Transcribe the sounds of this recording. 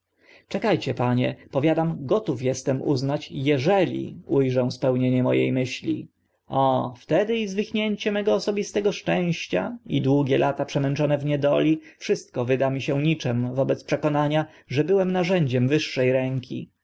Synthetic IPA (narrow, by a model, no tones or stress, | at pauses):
t͡ʂɛkajt͡ɕɛpaɲɛ̰pɔvʲjad̪amɡɔt̪ufjɛst̪ɛmṵznat͡ɕjɛʐɛlʲḭujʐɛw̃spɛwɲeɲɛmɔ̰jḛjmɘɕlʲḭ | ɔft̪ɛd̪ɘizvɘxɲeɲt͡ɕɛmɛɡɔːsɔbʲist̪ɛɡɔʂt͡ʂɛ̃w̃ɕt͡ɕa̰ḭd̪wuɡʲɛlʔat̪apʂɛmɛnt͡ʂɔnɛvɲɛd̪ɔlʲifʂɘst̪̚kɔvɘd̪amʲiɕɛɲit͡ʂɛmvɔbɛt̪spʂɛkɔnaɲa | ʐɛbɘwɛmnaʐɛɲd͡ʑɛmvɘʂːɛjɾɛŋkʲʰḭ